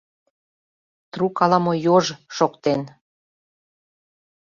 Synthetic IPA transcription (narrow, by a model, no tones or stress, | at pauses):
t̪rukɑlɑmojoʒʃokt̪en